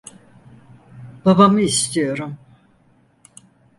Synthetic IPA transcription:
b̥abamɯist̪ʰijo̞ɾum

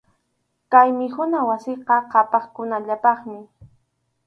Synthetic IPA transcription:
kajmɪhʊnawasɪqɑqɑpɑχkʊnaʎapɑχmɪ

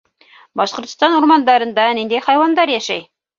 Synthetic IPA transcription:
bɑʃqŏɾt̪st̪ɑnuɾmɑnd̪ɑɾɤ̆nd̪ɑnind̪æjχɑjwɑnd̪ɑɾjæʃæ̰j

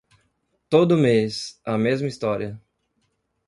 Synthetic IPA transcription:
t̪od̪ʊmesɐmezmist̪ɔɾiɐ

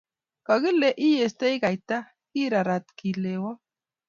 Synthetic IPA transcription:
kaɣileʔijest̪ejɡajt̪a | kiɾaɾat̪kilewa

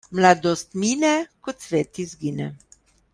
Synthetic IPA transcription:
mlad̪ɔst̪miːnɛkɔt̪sʋeːt̪izɡiːnɛ̰

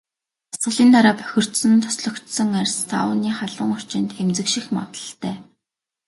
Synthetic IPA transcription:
asɢ̥ə̆ɮiːnt̪aɾaːpœ̥xʲɪ̆r̥t̪sɵ̆nt̪ʰɔ̥sɮɞ̆kt̪sɞ̆ŋærʲst̪ʰa̰wəniːχaɮə̆ŋʊr̥t͡ɕɪ̆nt̪emt͡sɘ̆kʃĭxma̰t̪ə̥̆ɬt̪æː

